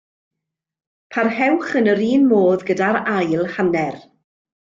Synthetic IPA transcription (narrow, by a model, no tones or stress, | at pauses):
pʰarhɛwχənəɾiːnmoːðɡədaɾajlˠhanɛr